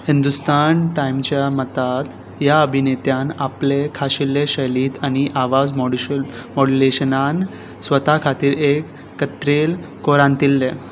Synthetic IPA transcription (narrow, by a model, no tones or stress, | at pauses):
hind̪ust̪anʈaimt͡ɕjamət̪at̪ | jaəbʱinet̪janaplekʰaɕilːeɕəliːt̪añiʔaʋad͡zm | mɔɽileɕənan | sʋət̪akʰat̪iːɾekː | ət̪ɾel | koɾãnt̪ilːe